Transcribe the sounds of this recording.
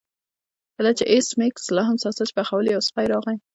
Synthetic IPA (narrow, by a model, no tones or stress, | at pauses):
kəlat͡ʃeʔesmekslɑɦamsɑsat͡ʃbaxawəljawspajɾɑɣaj